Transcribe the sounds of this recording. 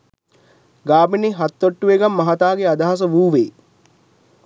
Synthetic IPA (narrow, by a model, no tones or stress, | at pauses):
ɡaːbiniɦat̪ːoʈːuʋeɡamːɐɦat̪aːɡead̪aɦas̬əʋuːʋeː